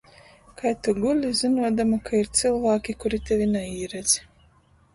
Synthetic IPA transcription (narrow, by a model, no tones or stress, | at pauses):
kʰajt̪uɡulʲizinuɔd̪amakʰaiɾt̪sɨlˠvaːkʲikuɾit̪ʲɛvʲinɛiːɾɛd̪z̥